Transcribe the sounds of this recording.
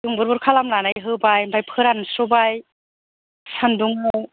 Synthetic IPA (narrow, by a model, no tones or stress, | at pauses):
d̥uŋbɯɾbuɾkʰalamlanajɦɯbajbajpʰɯɾansɾɔbaj | sanduŋɔw